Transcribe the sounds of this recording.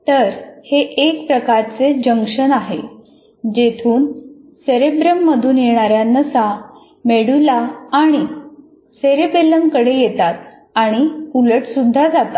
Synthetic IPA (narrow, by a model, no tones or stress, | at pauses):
t̪əɾheʔːkpɾəkaɾt͡sed͡ʑəŋkʂəɳaɦe | d͡ʑet̪ʰuːn | seɾebɾəmːəd̪ʱuːnjeɽ̃aɾjanːəsa | meɽulaːɽ̃i | seɾebeləmkəɽejet̪at̪̚ | aɽ̃iuləʈsud̪ʱːad͡zat̪a